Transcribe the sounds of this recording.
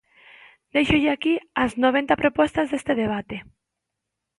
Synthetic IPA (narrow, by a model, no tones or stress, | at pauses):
d̪ejʃoʎɪakiaznoβ̞ẽnt̪apɾopɔst̪ɐzðest̪eðeβ̞at̪e